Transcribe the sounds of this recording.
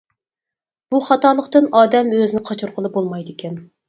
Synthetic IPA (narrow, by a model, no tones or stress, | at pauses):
b̥uχɑt̪ɑːlˠəqt̪ɨnɑːd̪ɛmøzɪnɪqʰɑt͡ʃʰuɾqʰəlˠɨbolˠmɑjd̪ɪkʲʰɛn